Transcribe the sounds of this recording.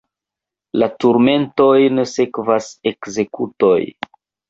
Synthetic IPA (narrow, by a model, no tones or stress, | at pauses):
latuɾme̞nto̞jnese̞kvase̞kze̞kuto̞j